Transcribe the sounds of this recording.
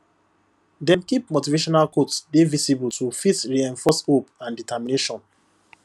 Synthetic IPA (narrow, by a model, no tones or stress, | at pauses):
dɛ̃mkip̚motiveʃɔnalkotsdevisibultufitɹiɛ̃ɱfɔshopãnditamineʃɔ̃n